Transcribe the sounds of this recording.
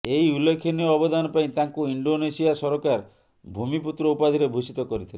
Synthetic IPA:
ejulːekʰːiniɔːbɔd̪anɔpaĩt̪aŋkuiɳɖonesiasɔɾɔkaɾ | bʱumiput̪ɾɔupad̪ʱiɾebʱusit̪ɔkɔɾit̪ʰile

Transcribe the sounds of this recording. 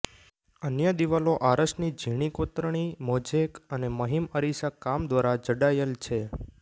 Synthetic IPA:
ənjəd̪iʋaloʔaɾəʃnid͡ʒʱiɽ̃ikot̪ɾəɽ̃imod͡ʒekəneməɦiməɾisakamd̪ʋaɾad͡ʒəɽajəlt͡ʃʰe

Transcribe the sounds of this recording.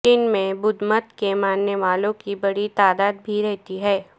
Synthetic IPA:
t͡ʃɪnmẽbʊd̪mət̪kemaːnːeʋaːlõkibɐɽit̪aːd̪aːd̪bʱiɾɛɦt̪iɦɛː

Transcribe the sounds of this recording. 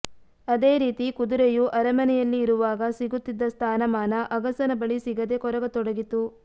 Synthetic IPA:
ɐd̪e̞ːɾiːt̪ikud̪uɾejuʔɐɾɐmɐnɛjɐlːiːɾuʋaːɡɐsiɡut̪ːid̪ːɐst̪ʰaːnɐmaːnɐʔɐɡɐsɐnɐbɐɭisiɡɐd̪e̞kɔɾɐɡɐt̪ɔɽɐɡit̪u

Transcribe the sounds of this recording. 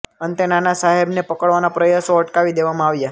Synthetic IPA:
ənt̪enanasaɦebnepəkəɭʋanapɾəjasoəʈkaʋid̪eʋamãaʋja

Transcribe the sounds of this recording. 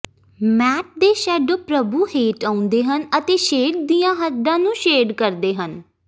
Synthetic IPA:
mɛːʈ̚d̪eːʃɛːɖoːpɾəbuːheːʈaːʊ̃nd̪eːɦənət̪eːʃeːɖ̚d̪iːjãːɦəd̪ãːnũːʃeːɖkəɾd̪eːɦən

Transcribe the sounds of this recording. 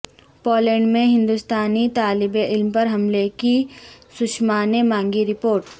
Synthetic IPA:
pɔːlɛ̃ːɳɖmẽɦɪ̃nd̪ʊst̪aːnit̪aːlɪbeʔɪlmpɐɾɦɐmlekisʊʃmaːnemãːŋɡiɾɪpoːɾʈ

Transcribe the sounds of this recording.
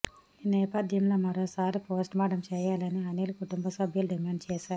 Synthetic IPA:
iːnɛːpɐd̪ʱjɐmloːmɐɾoːsaːɾipoːsʈmaːɖɐmt͡ʃɛːjaːlɐniɐneːlukuʈumbɐsɐbʱjɐluɖimaːɳɖt͡ʃɛːʃaːɾu

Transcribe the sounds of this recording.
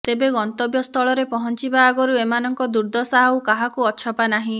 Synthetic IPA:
t̪ebeɡɔnt̪ɔbjɔst̪ʰɔɭɔɾepɔɦɔnt͡ʃibaːɡɔɾuemanɔŋkɔd̪uɾd̪ɔsaɦawkaɦakuɔt͡ʃʰɔpanaɦĩ

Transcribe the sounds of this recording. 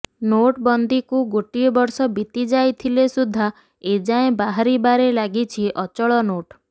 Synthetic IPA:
noʈbɔnd̪ikuɡoʈiɔbɔɾsɔbit̪id͡ʒajt̪ʰilesud̪ʱːa | ed͡ʒaẽbaɦaɾibaɾelaɡit͡ʃʰiʔɔt͡ʃɔɭɔnoʈ

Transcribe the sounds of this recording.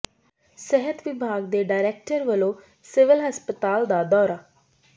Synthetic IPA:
sɛɦət̪ʋɪbʱaːɡd̪eːɖaːɪɾɛːk̚ʈəɾʋəlõː | sɪʋɪlɦəspət̪aːld̪aːd̪ɔːɾaː

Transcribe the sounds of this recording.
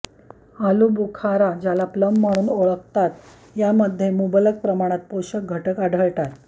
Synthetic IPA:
alubukʰaɾad͡ʑjalapləmːaɽ̃uːnoɭək̚t̪at̪ | jaməd̪ʱːjemubələk̚pɾəmaɽ̃at̪̚poɕək̚ɡʱəʈəkaɖʱəɭʈat̪

